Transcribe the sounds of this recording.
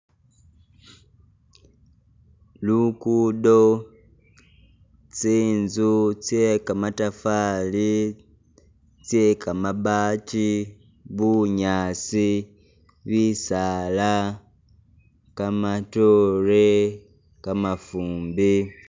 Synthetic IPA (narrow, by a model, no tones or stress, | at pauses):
lukudo | t͡siːnzut͡sjekamatafali | t͡sjekamabaːt͡ʃi | βuɲaːt͡si | βisala | kamatoɾe | kamafuːmbi